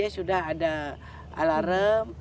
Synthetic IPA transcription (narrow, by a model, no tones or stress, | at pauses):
asudaɦada | a̰laɾəm